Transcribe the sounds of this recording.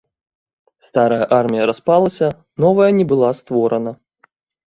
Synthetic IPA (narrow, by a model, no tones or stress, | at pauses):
st̪aɾɐjɐʔarmʲijɐɾaspalˠɐsʲɐ | nɔvɐjɐnʲɛbɨlˠast̪vɔɾɐnɐ